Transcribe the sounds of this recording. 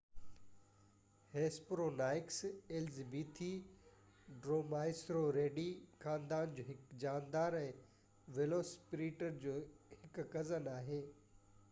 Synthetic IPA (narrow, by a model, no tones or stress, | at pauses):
heːspɾoːnaːɪkseːld͡ʑiːbiːt̪ʰi | ɖɾoːmaːɪsɾoɾeːɖixaːnd̪aːnd͡ʑoːɦɪkd͡ʑaːnd̪aːɾɛ̃ː | ʋeloːspɾiːʈəɾd͡ʑoːhɪkkɐzənaːɦeː